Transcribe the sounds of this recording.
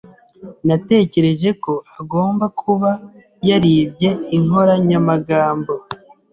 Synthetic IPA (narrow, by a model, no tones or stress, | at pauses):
nate̞ːce̞ɾe̞ʒe̞ko̞aɡo̞ːmbakʰuβa | jaɾiːbɟe̞iŋho̞ɾaɲamaɡaːmbo̞